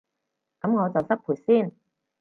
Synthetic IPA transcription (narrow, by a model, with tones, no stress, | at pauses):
kɐ˨˥mŋɔː˨˧t͡sɐ˨wsɐ˥k̚pʰuː˨˩jsiː˥˩n